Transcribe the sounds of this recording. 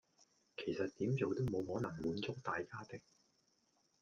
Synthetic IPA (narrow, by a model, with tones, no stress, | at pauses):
kʰe˨˩jsɐ˨t̚t̪iː˨˥mt͡so˨˧wt̪o˥wmo˨˧wɦɔː˨˥nɐ˨˩ŋmuː˨˧nt͡sʊ˥k̚t̪aː˨jkaː˥t̪ɪ˥k̚